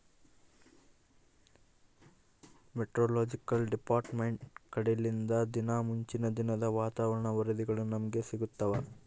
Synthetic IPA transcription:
meʈɾoːloːd͡ʒikɐlɖipaːɾʈmeɳʈkɐɽelːind̪ɐd̪inaːmuɲt͡ʃinɐd̪inɐd̪ɐʋaːt̪aːʋɐɾɐɳɐʋɐɾɐd̪iɡɐɭunɐmɐɡe̞siɡut̪ːɐʋɐ

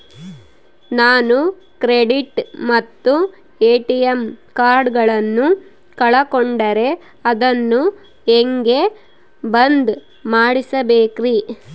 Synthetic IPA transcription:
naːnu | kɾeɖiʈmɐt̪ːu | eːʈijemkaːɾɖɡɐɭɐnːu | kɐɭɐkoɳɖɐɾe̞ | ɐd̪ɐnːu | eŋɡe̞ | bɐnd̪ | maːɽisɐbeːkɾiː

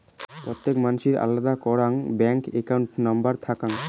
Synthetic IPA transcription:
pɾot̪ːekmanuʃiɾa̰lːad̪akɔɾaŋbɛŋkekawɳʈnambaɾt̪ʰakaŋ

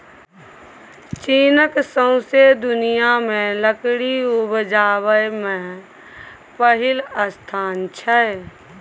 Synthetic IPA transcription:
t͡ʃiːnəksə̃ʊ̃sed̪ʊnijamẽləkɽiubd͡ʒaːβəjmẽ | pəɦɪləst̪ʰaːnt͡ʃʰɛ

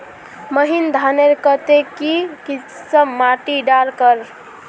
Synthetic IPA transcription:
məɦind̪ʱaneɾkət̪ekiki | səmːaʈiɖaɾkəɾ

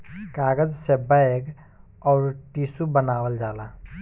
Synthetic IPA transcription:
kaɡəd͡ʒsebaek | ɔːɾʈisubənawəld͡ʒala

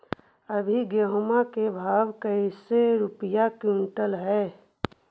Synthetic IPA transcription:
əbʱiɡeɦomakebʱaːʋkəiseɾʊpəjakjũːɳʈəlɦɛː

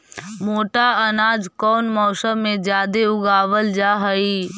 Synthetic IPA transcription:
moːʈaɐnaːd͡ʒkɔːnmɔːsəmːẽd͡ʒjaːd̪eʊɡaːʋəld͡ʒaːɦəiː

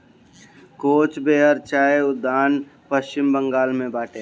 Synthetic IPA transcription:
koːt͡ʃbeːɦəɾt͡ʃaːeʊd̪ːaːnpəst͡ʃɪmbə̃ŋɡaːlmẽbaːʈeː

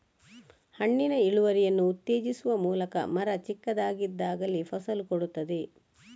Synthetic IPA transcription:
hɐɳːinɐiɭuʋɐɾijɐnːuːt̪ːeːd͡ʒisuʋɐmuːlɐkɐ̰mɐɾɐt͡ʃikːɐd̪aːɡid̪ːaːɡɐlːipʰɐsɐlkoɽut̪ːɐd̪e

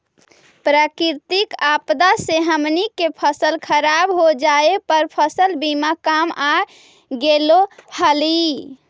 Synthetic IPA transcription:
pɾəkiɾt̪ikapd̪aseɦəmnikepʰəsəlkʰəɾabɦod͡ʒaepəɾpʰəsəlbimakama | ɡelohəli

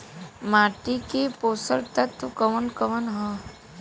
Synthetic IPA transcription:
maːʈikepoːsəlt̪ɐt̪ʋkəʋənkəʋənɦə̃ː

